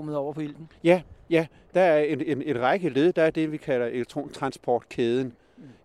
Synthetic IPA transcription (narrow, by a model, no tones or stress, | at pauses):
mð̩ˠɒʊ̰ɐpʰɒ̽il̰̥n̩jæjæ | d̥ɑ̈æɐene̝ne̝nʁɑ̈ɪɡ̥əle̝ðˠd̥ɑ̈æɐd̥e̝ʋikʰæl̰ɐʔeleɡ̚t͡sʰʁo̝̰ːnt͡sʰʁɑ̈nsb̥ʰɒːd̥kʰeːð̞ˠn̩